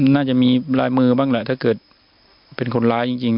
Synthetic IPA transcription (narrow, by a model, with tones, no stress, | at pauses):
naː˥˩t͡ɕa˨˩ʔmiː˧laː˦˥jmɯː˧baː˥˩ŋla˧˩t̪ʰaː˥˩kɤː˨˩t̪̚ | pe˧nkʰo˧nlaː˦˥jt͡ɕi˧ŋt͡ɕi˧ŋ